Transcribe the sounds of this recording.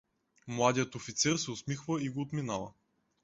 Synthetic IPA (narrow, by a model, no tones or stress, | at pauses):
mlˠad̪ijət̪ofit̪sɛɾsɛʊsmixvəiɡoːt̪minavə̰